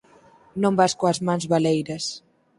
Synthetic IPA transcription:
nõmbaʃkoazmãnzβalejɾɐs

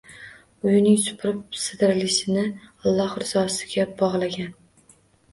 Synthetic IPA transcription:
ʊjɪnɪŋsʊ̥pʰɾɪp̚sɨd̪ɪɾlɪʃɪnɪɑlˠːɒhɾɪz̥ɒsɪ̥ɡʲabɒʁlˠaɡʲan

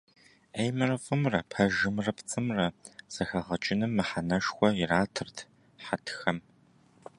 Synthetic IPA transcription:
ejmɨrɨfʼɨmrɐpʰɐʒɪmrɐpʰt͡sʼɨmrɐz̥ɐxɐʁɐt͡ʃʼɪnɨmːɨħanɐʂxʷʼɔjɪraːtʰɨrtʰ | ħatʰxɐm

